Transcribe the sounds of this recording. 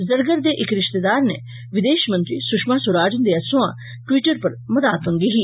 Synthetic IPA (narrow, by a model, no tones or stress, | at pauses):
zɐɾɡəɾd̪eːʔɪkɾɪʃt̪ed̪aːɾne | ʋɪd̪eːʃmə̃nt̪ɾisʊkʃmaːsʊɾaːd͡ʒənd̪easʊ̃ã̰ | ʈwiʈəɾpɐɾmɐd̪aːt̪ə̃nɡ̪iɦiː